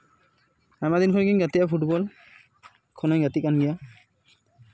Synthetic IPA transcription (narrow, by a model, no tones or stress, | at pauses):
amadinkʰɔnkʰinɡatijapʰutbɔl | kʰɔnɔjɡatikanɡija